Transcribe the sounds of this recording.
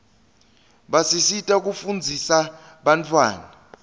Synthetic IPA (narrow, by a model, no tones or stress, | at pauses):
ɓasisitʼak̬ufund͡zʱisa | ɓant͡fʰwa̰ːnaa